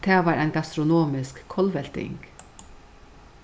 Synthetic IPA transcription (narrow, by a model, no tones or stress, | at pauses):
t̪ʰɛːvaɾʔajnɡast̪ɾɔnɔːmɪskʰːɔlvɛl̥t̪ɪ̰ŋk